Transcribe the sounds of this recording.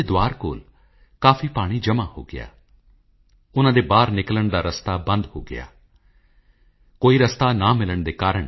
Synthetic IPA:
ed̪ʊaːɾko̰ːl | kaːfʰipaːɽ̃id͡ʒɐmaho̰ːɡɪ̰ja̰ː | ʊnãːd̪ebaːɾnɪkləɳ̃d̪aɾɐst̪abɐ̃nd̪ɦo̰ːɡɪ̰ja̰ː | koːiɾɐst̪anamɪləɽ̃d̪ekaːɾəɽ̃

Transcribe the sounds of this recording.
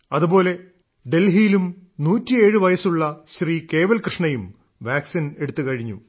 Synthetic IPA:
ɐðubo̞ːle̞ | ɖe̞lɦijilumnuːtːie̞ːɻɨʋɐjɐsuɭːɐɕriːke̞ːʋɐlkrɨʂɳɐjum | ʋaːksine̞ɽut̪ːukɐɻiɲːṵ

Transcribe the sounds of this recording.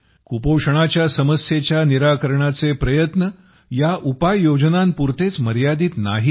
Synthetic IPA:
kupowʂəɳ̃at͡ɕjasəməsjet͡ɕjaniɾakəɾɳat͡sepɾəjət̪nə | jaʔupajːod͡ʑnampuɾt̪et͡sməɾjad̪iːt̪naɦi

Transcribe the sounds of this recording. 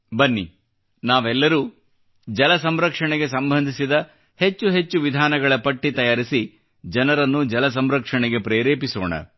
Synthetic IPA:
bɐnːḭ | naːʋɛlːɐɾuː | d͡ʒɐlɐs̬ɐmɾɐkʂɐɳɛɡe̞sɐmbʱɐnd̪ʱisid̪ɐ | he̞t͡ʃːuɦe̞t͡ʃːuʋid̪ʱaːnɐɡɐɭɐpɐʈːit̪ɐjaːɾisi | d͡ʒɐnɐɾɐnːud͡ʒɐlɐs̬ɐmɾɐkʂɐɳɛɡe̞pɾeːɾeːpisoːɳɐ̰

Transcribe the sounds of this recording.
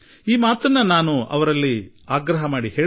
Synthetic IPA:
iːmaːt̪ɐnːɐnaːnuʔɐ̰ʋɐɾɐlːi | aːɡɾɐɦɐmaːɽiɦeː

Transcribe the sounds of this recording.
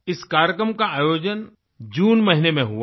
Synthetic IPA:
ɪskaːɾjəkɾəmkaaːjoːd͡ʒən | d͡ʒuːnmɐɦɪnemẽɦʊa

